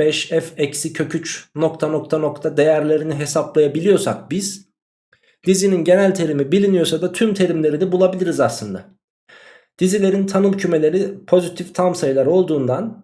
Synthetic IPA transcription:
bɛʃɛfɛcsicʰø̞cʰyt͡ʃno̞kt̪ʰano̞k̚t̪ʰano̞kt̪ʰad̪e̞jæɾlʲe̞ɾiniɦe̞saplˠajabilʲijo̞sa̰k̚biz̥ | d̪izininɟe̞nælʲt̪ʰe̞ɾimibilʲinijo̞sad̪at̪ʰymt̪ʰe̞ɾimlʲe̞ɾinɛbulˠabilʲiɾizaslɯnd̪a̰ | d̪̥izilʲe̞ɾint̪ʰanɯmˠcʰyme̞lʲe̞ɾipʰo̞zit̪ʰift̪ʰamsajlˠaɾo̞lˠd̪uːnd̪an

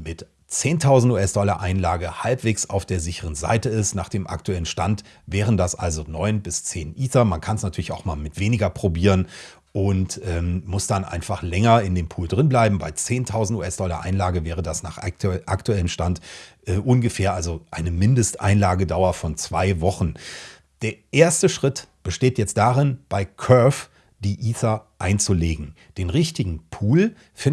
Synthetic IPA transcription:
mɪt | t͡seːntʰaʊzn̩tuːɛsd̥ɔlɐ̰ʔaɪnlaːɡəhalpv̥eːksa̰ʊfd̥eːɐzɪçəʁənza̰ɪtəɪstnaːχd̥eːmʔa̰ktuɛlənʃtant | vɛːʁəndasʔa̰lzonɔʏnbɪst͡seːnʔiːθɐmankʰansnatʰyːɐlɪçaʊxmaːlmɪtv̥eːnɪɡɐpʁ̥obiːʁən | ʔʊntʔɛːmmʊsd̥anʔa̰ɪnfaχlɛŋɐɪndeːmpʰuːldʁɪnblaɪbm̩baɪt͡seːntʰaʊzn̩tṵːɛsd̥ɔlɐ̰ʔa̰ɪnlaːɡəvɛːʁ̞ədasnaːχʔa̰ktuɛləmʃtantʔɛːʔʊnɡəfɛːɐʔalzoʔa̰ɪnəmɪndəstʔa̰ɪnlaːɡədaʊɐfɔnt͡sv̥aɪvɔχn̩ | d̥eːɐʔeːɐstəʃʁ̥ɪtb̥əʃteːtjɛt͡st̚d̥aːʁɪnb̥aɪkʰœf | d̥iːʔiːθɐʔaɪnt͡suleːɡŋ̩ | d̥eːnʁɪçtɪɡŋ̩pʰuːl | fɪ

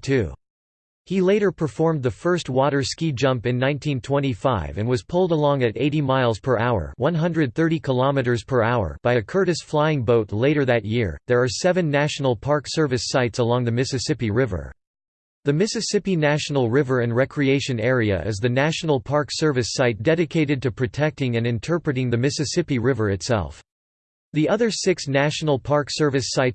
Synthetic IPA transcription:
tʰʉ̰ | hileɪɾə˞pʰə˞fɔɹmðɨfɜ˞st̚wɔɾə˞skid͡ʒʌ̃mpɨ̃nːãɪ̃ntʰĩntʰw̥ɛ̃ɾ̃ifaɪvɨ̃nwʌz̥pʰʊlˠdəlɔ̃ŋɨɾeɪɾimaɪlˠz̥pʰə˞ʔaʊə̰˞wʌ̃nɦʌ̃ndɹɨd̪̚θɜ˞ɾikʰəlɑmɨɾə˞z̥pʰə˞aʊə̰˞b̥aɪɨkʰɜ˞ɾɨsflaɪɪ̃ŋboʊtˡleɪɾə˞ðɨt̚jɪɹðə˞ːsɛvɨ̃nːæʃn̩l̩ˠpʰɑɹksɜ˞vɨsaɪtsəlɔ̃ŋðɨmɪsɨsɪpiɹɪvə̰˞ | ðɨmɪsɨsɪpinæʃn̩l̩ˠɹɪvə˞ɨ̃nɹɛkʰɹieɪʃɨ̃nɛɹiɨ̰ʔɨ̰zðɨnæʃn̩l̩ˠpʰɑɹksɜ˞vɨsaɪt̚d̥ɛɾɨkʰeɪɾɨd̚tɨpʰɹ̥ɨtʰɛk̚tɪ̃ŋɨ̃nɨ̃ntʰɜ˞pɹɨɾɪ̃ŋðɨmɪsɨsɪpiɹɪvə˞ɨtsɛ̰lˠf | ðiʌðə˞sɪksnæʃn̩l̩ˠpʰɑɹksɜ˞vɨsaɪt

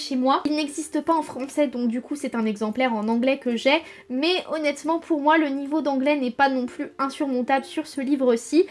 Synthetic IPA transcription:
ʃemwailnɛɡzist̪əpaɑ̃fχɑ̃sɛd̪ɔ̃k̚d̪ykʰusɛt̪ɛ̃nɛɡzɑ̃plɛʁɑ̃nɑ̃ɡlɛkəʒɛ | mɛɔnɛt̪mɑ̃pʰuʁmwalənivod̪ɑ̃ɡlɛnɛpanɔ̃plyɛ̃syʁmɔ̃t̪abləsyʁsəlivʁəsi

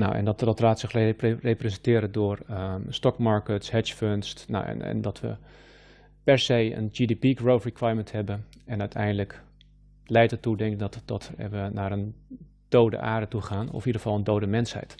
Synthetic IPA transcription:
na̰wʔɛ̰ndɔtɔtraːtsɪxrreprəsəntɪːɾədʊːərəstɔkmaɹkətshɛt͡ʃfønstna̰ɛ̰nɛ̰ndɔtʋə̰ | pɛɹsejə̰nd͡ʒidipikɹowfrikwajəmənthɛbənɛnœɥtʰɛ̰jndələk | lɛjtətudɛŋkdɔtdɔtʰɛ̰ʋənaːɾən | d̥owdə̰ʔaːɹdətuχaːnɔ̰fidəχə̥fɑlˠəndowdəmɛnshɛ̰jt

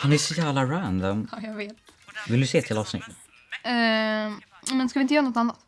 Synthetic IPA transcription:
hanæʂɔjæːvlaɾand̪ɔmajɑɡveːt̪vɪld̪ɵseːt̪ʰɪlɑːsnɪ̰t̪ː | ɛ | namɛnskavɪnt̪jœːɾanɔt̪ːanːat̪

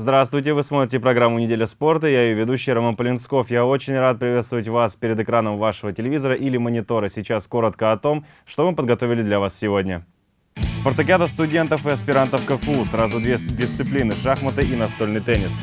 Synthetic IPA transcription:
zd̪ɾast̪vʊjtʲɪvɨsmo̞t̪ɾʲɪtʲɪpɾɐɡɾamːʊnʲɪdʲelʲəspo̞rt̪əɪjaɪjovʲɪd̪uɕːɪjəɾɐmanpəlʲɪnsko̞fjaot͡ɕɪnʲrat̪̚pɾʲɪvʲe̞t̪st̪vʊvətʲvaspʲɪɾʲɪd̪ɨkɾanəmvaʂəvətʲɪlʲɪvʲizəɾəʔilʲɪmənʲɪt̪o̞ɾəsʲɪt͡ɕasko̞ɾət̪kəɐt̪o̞m | ʂt̪omɨpəd̪ɡɐt̪ovʲɪlʲɪd̪lʲɐvassʲɪvodʲnʲə | spərt̪ɐkʲad̪əst̪ʊdʲe̞nt̪əfɨɐspʲɪɾant̪əfkəfusɾazʊd̪vʲedʲɪst̪sɨplʲinɨʂaxmət̪ɨinɐst̪o̞lʲnɨjt̪ɛnʲːɪs

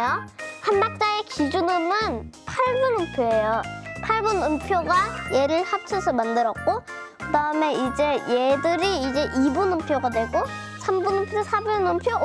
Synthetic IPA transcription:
johanmak̚t͡ɕ͈aekid͡ʑunɯmɯnpʰaɭbunɯmpʰjoe̞jopʰaɭbunɯmpʰjoɡaje̞ɾɯɭhap̚t͡ɕʰʌsʰʌmandɯɾʌt̚k͈o | kɯdaɯme̞id͡ʑe̞jedɯɾiːd͡ʑe̞ʔibunɯmpʰjoɡadwe̞ɡo | sʰambunɯmpʰjoosʰabunɯmpʰjo

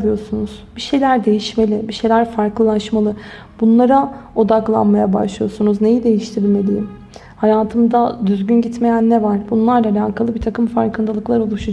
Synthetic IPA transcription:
ijo̞sunuz̥biʃe̞jlʲæɾd̪e̞jiʃme̞lʲɪbiʃe̞jlʲæɾfaɾklˠɯlˠaʃmalˠɯ | bunlˠaɾao̞d̪aklˠa̰nmajaba̰ʃlˠɯjo̞sunuzne̞jid̪e̞jiʃt̪ʰiɾilʲme̞lʲijim | hajaːt̪ʰɯmd̪ad̪yzɟynɟit̪me̞jænːɛvaɾ̥bunlˠaɾlaalʲaːkʰalˠɯbit̪ʰakɯmfaɾkɯnd̪alˠɯklˠaɾo̞lˠuʃu

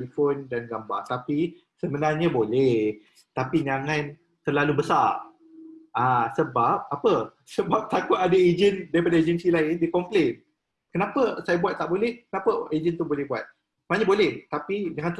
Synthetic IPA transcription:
lifondanɡamba̰rt̪api | səmənarɲabolɛh | t̪apiɲaŋãn | t̪ərlalubəsar | ʔãsəbap̚apə | səbap̚t̪akʊt̪adəed͡ʒəndaɾipadaed͡ʒənsilaɪndikɔmplen | kənapəsajabuat̪̚t̪aʔbolɛhkənãpəed͡ʒənt̪ubolɛhbuat̪̚ | səmənaɲabolɛht̪apiɲãŋant̪

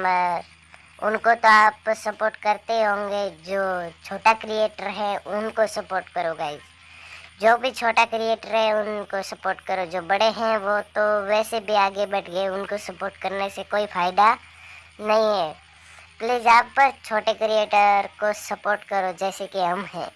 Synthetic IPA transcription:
məɾ | ʊ̰nkot̪oaːpsɐpoːɾʈkɐɾt̪eɦõːŋɡed͡ʒoːt͡ʃʰoːʈakɾieːʈəɾɦɛ̃ʊnkosɐpoːɾʈkɐɾoːɡaːid͡ʒ | d͡ʒoːbʱit͡ʃʰoːʈakɾieːʈəɾɦɛ̃ʊnkosɐpoːɾʈkɐɾod͡ʒoːbɐɽeɦɛ̃ʋot̪oʋɛːsebʱiaːɡebɐʈʰɡəeʊnkosɐpoːɾʈkɐɾnesekoːifʰaːɪd̪a | nɐɦĩɦɛː | pleːzaːpːəɾt͡ʃʰoːʈekɾieːʈəɾkosɐpoːɾʈkɐɾod͡ʒɛːsekiɦɐmɦɛ̰̃ː

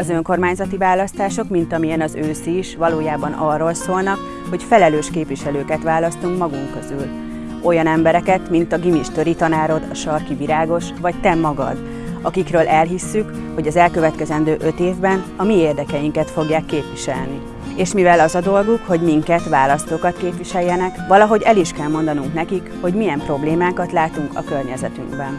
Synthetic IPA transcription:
ɒzø̞ŋko̞rmaːɲzɒt̪ivaːlɒst̪aːʃo̞kmint̪ɒmijɛnɒzøːsiːʃʋɒloːjaːbɒnɒrːo̞lsoːlnɒk | ho̞cfɛlɛløːʃkeːpʋiʃɛløːkɛt̪ʋaːlɒst̪uŋkmɒɡuŋkø̞zyl | o̞jɒnɛmbɛɾɛkɛt̪mint̪ɒɡimiʃt̪ø̞ɾit̪ɒnaːɾo̞d̪ɒʃɒrkiviɾaːɡo̞ʃvɒct̪ɛmːɒɡɒ̰d̪ | ɒkikrøːlʔɛlɦisːyk | ho̞ɟɒzɛlkø̞vɛt̪kɛzɛnd̪øːʔøt̪eːvbɛnɒmieːrd̪ɛkɛjiŋkɛt̪fo̞ɡjaːkːeːpʋiʃɛ̰lni | eːʃmivɛlɒzɒd̪o̞lɡukho̞ɟmiŋkɛt̪ʋaːlɒst̪oːkɒt̪keːpʋiʃɛjːɛnɛkʋɒlɒɦo̞ɟɛliʃkɛlmo̞nd̪ɒnuŋknɛkikho̞ɟmijɛmpro̞bleːmaːkɒt̪laːt̪uŋkɒ̰kø̞rɲɛzɛt̪y̰ŋɡbɛn

